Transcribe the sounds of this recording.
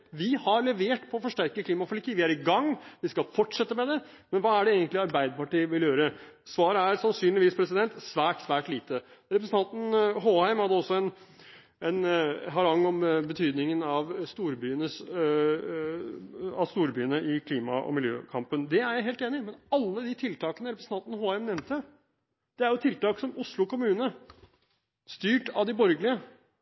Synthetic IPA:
ʋɪhɑɾlɛʋeːʈpʰɔːfɔʂʈæɾkəkʰliːmɑfɔlɪkiːʋɪæɾɪɡɑŋːʋɪskɑlfɔʈʂɛt̪ːəmɛd̪ɛ | mɛnʋɑːæɖɛeːɡənt̪lɪɑɾbæɪd̪əɾpɑʈiːəʋɪljøːɾəsʋɑːɾəæɾsɑnsyːnlɪʋiːspʰɾɛsɪd̪ɛnt̪sʋæːʈsʋæːʈliːt̪əɾɛpɾsn̩t̪ʰɑnt̪n̩ɦoːhæɪmhɑd̪ːəɔsːɔɛn | ɛnɦɑɾɑŋːɔmbət̪ʰyːd̪nɪŋənɑʋst̪uːɾbyːənəs | ɑʋst̪uːɾbyːənəʔɪkʰliːmɑʔɔ̰mɪljøːkʰɑmpənd̪ɛæɾjæɪɦeːlt̪eːnɪmɛnɑlːəd̪it̪ʰɪlt̪ʰɑːkənəɾɛpɾəsn̩ʰɑnt̪nəhoːæɪmnɛmnt̪ə | d̪̥ɛæɾjʊt̪ʰɪlt̪ɑːksɔmʊslʊkʊmʉːnənə | st̪yːʈɑʋd̪ɪbɔɾɡəlɪə

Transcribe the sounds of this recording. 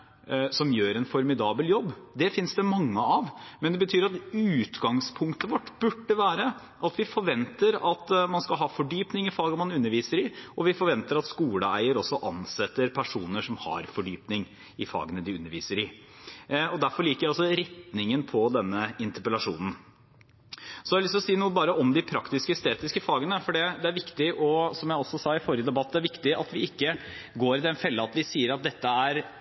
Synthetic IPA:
sɔmjøːɾɛnfɔɾmɪd̪ɑːbəljɔbːd̪ɛfɪnsd̪əmɑŋːəɑʋmɛnd̪ɛbət̪ʰyːɾɑt̪ʉːt̪ɡɑŋspʰʊŋkt̪əʋɔʈːb̥ʉɖːəʋæːɾə | ʔɑt̪ʋɪfɔɾʋɛnt̪əɾɑt̪mɑnskɑlɦɑːfɔɖyːpnɪŋɪfɑːɡəmɑnʉnːəɾʋiːsəɾɪʔɔʋɪfɔɾʋɛnt̪əɾɑt̪skuːləæ̰ɪəɾɔsːɔʔɑnsɛt̪ːəɾpʰæʂuːnəʂɔmhɑ̰ɾfɔɖyːpnɪŋ | ɪfɑ̰ːɡənəd̪ɪʉnːəɾʋiːsəɾɪ | ɔd̪æɾfɔɾɭiːkəɾæɑlsɔɾɛt̪nɪŋənpʰɔd̪ɛnːəɪnt̪əpəlɑʂṵːnn̩ | sɔd̪æɾlʏst̪ɔsiːnuːəbɑːɾəɔmd̪ɪpʰɾɑkt̪ɪskəst̪eːt̪ɪskəfɑːɡənəfɔɖɛd̪ɛæɾʋɪkt̪ɪʔɔsɔmjæɪɔsːɔsɑːɪfoːɾɪəd̪ɛbɑt̪ːæɾʋɪkt̪ɪɑ̰t̪ʋɪɪkːəɡoːɾɪd̪ɛnfɛlːəɑt̪ʋɪsiːəɾɑt̪̚d̪ɛt̪ːəæɾ

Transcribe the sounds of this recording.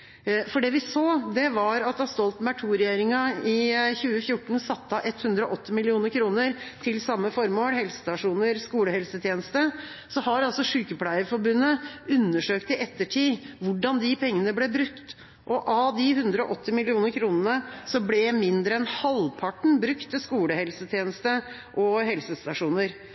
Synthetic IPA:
fɔɖɛːʋɪsoːd̪ɛʋɑɾɑt̪ɑst̪ɔlt̪mæʈʰuːɾɛjeːɾɪŋɑɪçʉːəfjʊʈːɳ̩sɑt̪ːəɑʔɛt̪ːhʉnd̪ɾɔʔɔt̪ʰːɪmɪlɪuːnəɾkʰɾuːnəɾt̪ʰɪlsɑmːəfɔɾmoːlhɛlsə̥st̪ɑʂuːnəɾskuːləhɛlsət̪ʰjeːnəst̪ə | sɔhɑɾɑlsɔʂʉːkəpʰlæɪəfɔɾbʉnːəʉnːəʂøːkt̪ɪʔɛt̪ːəʈʰiːʋʊɖɑnd̪ɪpʰɛŋːənəblɛbɾʉkt̪ | ʔɔʔɑd̪ɪhʉnd̪ɾəɔʔɔt̪ːɪmɪlɪuːnəɾkʰɾuːnənəsɔblɛmɪnd̪ɾəɛnhɑlpʰɑʈɳ̩bɾʉkt̪əskuːləhɛlsət̪ʰjeːnəst̪ə | ʔɔhɛlsəst̪ɑʂuːnəɾ

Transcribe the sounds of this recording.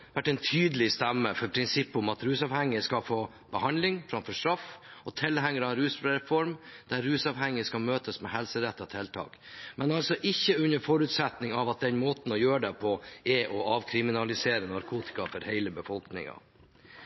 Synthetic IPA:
ʋæʈːɛnt̪ʰyːd̪əlɪst̪æmːəfɔɾpʰɾɪnsɪpːʊmɑt̪ɾʉːsɑːʋhɛŋːəskɑfoː | b̥əhɑnlɪŋfɾɑmfɔʂt̪ɾɑfɔt̪ʰɪlhæŋːəɾɑɾʉːsɾɛfɔɾmd̪̥æɾɾʉːsɑʋhɛŋːəskɑlmøːt̪əsmɛhɛlsəɾɛt̪ːɔt̪ʰɛlt̪ʰɑ̰ːk | mɛnɑlsɔʔɪçːəʉnəɾfɔɾʉːt̪sɛt̪nɪŋɑʋɑt̪̚d̪ɛnmoːt̪n̩ɔjøːɖɛpʰɔɛʔɔʔɑːʋkʰɾɪmɪnɑlɪseːɾənɑɾkʰuːt̪ɪ̥kɑfɔɾhɛɪləbəfɔlknɪ̰ŋɑ̰

